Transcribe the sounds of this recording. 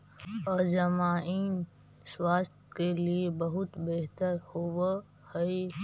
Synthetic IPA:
ɔd͡ʒɐmaːiːn | swaːst̪keliebɐɦʊt̪beɦt̪əɾhow | hɐe

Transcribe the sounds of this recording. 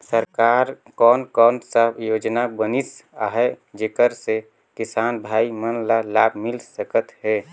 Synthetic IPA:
səɾkaɾ | kɔnkɔnsəbjod͡ʒnabənisaɦɛ | d͡ʒekəɾse | kisanbʱaimənlalabʱmilsəkət̪ɦɛ

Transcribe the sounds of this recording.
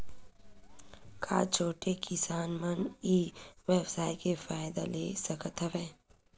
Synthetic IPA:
kʰa̰ːt͡ʃʰoːʈekʰɪsaːnməniːʋɛːbsaːjkefaːjd̪a̰lesɐkət̪ɦəʋeː

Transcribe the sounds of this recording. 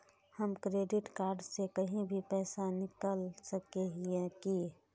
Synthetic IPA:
həmkɾeːɖɪʈkaːɾɖsekɐɦĩbʱipɛːsanɪkəlsəkeɦiẽki

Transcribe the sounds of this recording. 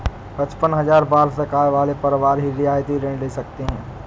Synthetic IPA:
pɐt͡ʃpənɦɐzaːɾbaːɾsɐkaːɾʋaːlepɐɾʋaːɾɦiɾɪaːjt̪iɾẽːɳleːsɐkt̪eɦɛ̃ː

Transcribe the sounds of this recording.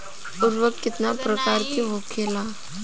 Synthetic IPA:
uɾʋəkkːɪt̪napɾəkaɾkiɦokʰela

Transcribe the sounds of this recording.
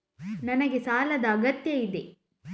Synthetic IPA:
nɐnɐɡe̞saːlɐd̪ɐːɡɐt̪jɐid̪e

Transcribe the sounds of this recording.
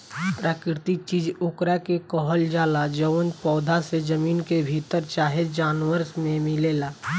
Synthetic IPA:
pɾaːkɾɪt̪ik̚t͡ʃiːd͡ʒʊkɾakekɔɦəld͡ʒaːlad͡ʒəwənpɔːd̪ʱased͡ʒəmiːnkebʱit̪əɾt͡ʃaːɦed͡ʒaːnʋəɾsmẽmɪleːlaː

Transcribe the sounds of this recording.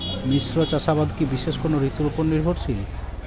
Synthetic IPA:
misɾot͡ɕaʃabad̪kibiʃeʃkonoɾit̪uloponnːiɾbʱoɾt͡ɕʰi

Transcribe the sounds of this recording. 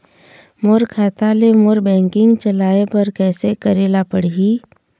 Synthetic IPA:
moːɾkʰaːt̪alemoɾbɛ̃ːŋkɪ̃ŋɡt͡ʃəlaːepɐɾkɛːsekəɾeːlapəɽiɦiː

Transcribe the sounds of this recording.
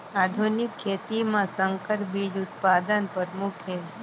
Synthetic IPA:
ad̪ʱunikkʰːet̪imãsəŋkəɾbid͡ʒut̪̚pad̪ənpəd̪mukʰe

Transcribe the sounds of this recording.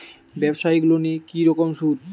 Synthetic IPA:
bɛbʃaiɡulonikiɾɔkomʃuɾ

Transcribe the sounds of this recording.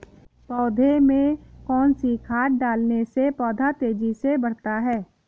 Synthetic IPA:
pɔːd̪ʱemẽkɔːnsikʰaːʈ̚ɖaːlnesepɔːd̪ʱat̪eːd͡ʒisebɐɽ̤t̪aɦɛː

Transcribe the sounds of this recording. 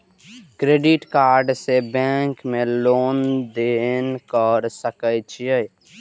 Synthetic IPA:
kɾeːɖɪʈkaːɾɖsebɛ̃ŋkmẽloːnd̪enkəɾsəkət͡ʃʰije

